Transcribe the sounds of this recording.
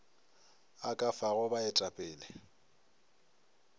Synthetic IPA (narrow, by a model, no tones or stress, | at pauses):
akʼafaɣʊbaɪtʼapʼɪːlɛ